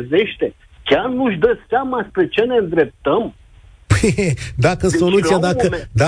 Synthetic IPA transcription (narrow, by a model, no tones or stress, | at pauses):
ze̞ʃt̪e̞ | kʲarnuʃʲd̪əseamaspɾe̞t͡ʃe̞ne̞ɨnd̪ɾe̞p̚t̪əm | pəjd̪akəso̞lut̪sijad̪akəd̪a